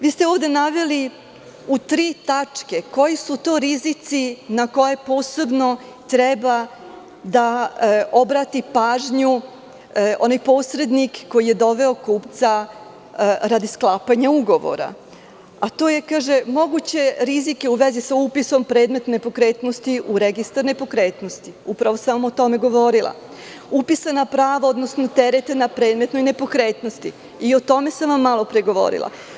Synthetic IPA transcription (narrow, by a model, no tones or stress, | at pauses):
ʋiːst̪eoːʋd̪e̞naʋeli | ut̪ɾiːt̪at͡ʂke̞ko̞jisut̪oːɾizit̪sinako̞je̞po̞ːse̞bno̞ | t̪ɾɛba | d̪a | o̞bɾaːt̪ipaːʒɲu | o̞najpo̞ːsɾe̞d̪nikːo̞jije̞d̪o̞ʋe̞o̞kuːpt̪sa | ɾad̪isklˠaːpaɲauɡo̞ʋo̰ɾa̰ | at̪o̞ːje̞kaːʒe̞mo̞ɡut͡ɕe̞ɾizike̞uʋe̞zisaupiso̞mpɾe̞ːd̪me̞t̪ne̞po̞kɾe̞ːt̪no̞st̪iʔuɾeɡist̪aɾnepo̞kɾe̞ːt̪no̞st̪iupɾaʋo̞samot̪o̞me̞ɡo̞ʋo̞ɾilˠa̰ | upisanapɾaːʋao̞d̪no̞sno̞t̪e̞ɾe̞t̪e̞napɾeːd̪me̞t̪no̞jne̞po̞kɾe̞ːt̪no̞st̪i | io̞t̪o̞me̞saʋamːalˠo̞pɾeɡo̞ʋo̞̰ɾḭlˠa̰